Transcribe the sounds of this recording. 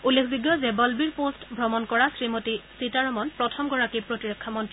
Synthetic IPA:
ulːekʰziɡjɔzɛbɔlbiɹpostbʱɹɔmɔnkɔɹasɹimotisitaɹɔmɔnpɹɔtʰɔmɡɔɹakipɹotiɹɔkʰːamɔntɹii

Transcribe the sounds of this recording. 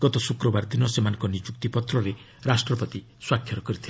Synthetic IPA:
ɡ̥ɔt̪ɔsukɾɔbaɾd̪inɔsemanɔ̃ŋkɔnid͡ʒuk̚t̪ipɔt̪ɾɔɾe | ɾasʈɾɔpɔt̪i | swakʰjɔɾɔkɔɾit̪ʰil

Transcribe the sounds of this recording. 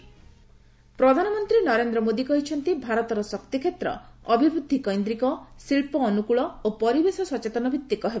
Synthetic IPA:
pɾɔd̪ʱanɔmɔnt̪ɾinɔɾend̪ɾɔmod̪ikɔɦit͡ʃʰɔnt̪ibʱaɾɔt̪ɔɾɔsɔkt̪ikʰet̪ɾɔ̰ɔbʱibɾud̪ʱːikɔjnd̪ɾikɔsiɭpɔːnukuɭɔopɔɾibesɔsɔt͡ʃet̪ɔnɔbʱit̪ːikɔɦeb

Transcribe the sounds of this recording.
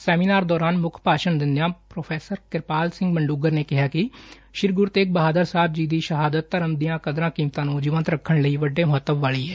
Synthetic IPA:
sɛːmiːnaːɾd̪ɔːɾaːnmʊkʰpaːʃənd̪ɪnːjãːpɾoːpʰɛːsəɾkɪɾpaːlsɪ̃ŋɡbəɳɖuːɡəɾneːkɪɦaːkɪ | ʃɪɾɡʊɾt̪eːk̚bəɦaːd̪əɾsaːb̚d͡ʒiːd̪iːʃəɦaːd̪ət̪ːəɾəmd̪ijãːkəd̪ɾãːkiːmt̪ãːnũːd͡ʒɪːʋənt̪ɾəkʰːəɳləiːʋəɖːeːmʊɦət̪ːəbʋaːɭiːɦɛː

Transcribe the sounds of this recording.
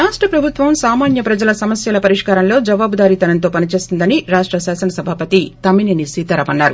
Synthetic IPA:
ɾaːʂʈɾɐpɾɐbʱut̪ʋɐmsaːmaːnjɐpɾɐd͡ʒɐlɐsɐmɐsjɐlɐpɐɾiʂkaːɾɐmlo̞ːd͡ʒɐʋaːbud̪aːɾit̪ɐnɐnt̪oːpɐnit͡ʃe̞ːsind̪ɐniɾaːʂʈɾɐsaːsɐnɐsɐbʱaːpɐt̪it̪ɐmininisiːt̪ɐɾɐpɐnːaːɾu

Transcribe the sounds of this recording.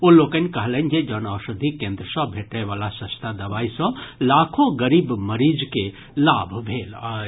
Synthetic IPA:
oloːkənkəɦlənd͡ʒed͡ʒənasəd̪ʱikẽnd̪ɾəsɔ̃bʱeʈəʋaːlasə̃st̪ʰad̪ɐʋaisɔ̃lakʰoɡəɾiːbməɾid͡ʒke | labʱbʱeːla

